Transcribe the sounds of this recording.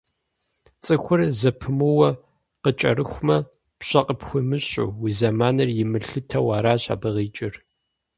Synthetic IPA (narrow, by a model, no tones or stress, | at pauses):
t͡sʼɨxʷʊrzɐpʰɨmɨwɐ | qət͡ʃʼɐ̰ɾɨxʷmɐ | pɕɐqʼəpxʷʊmɨɕʼṵwiːzɐmaːnɐrjɪmɨɬɨtʰɐwaːɾaːɕa̰ːbɨʁiːt͡ʃʼɪr